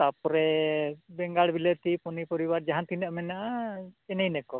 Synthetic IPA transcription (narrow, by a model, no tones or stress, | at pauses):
t̪apɔɾɛbɛŋɡaɽbilət̪ipɔnipɔɾibaɾd͡ʒaɦant̪inəʔmɛnaʔaɛnɛjnɛkɔ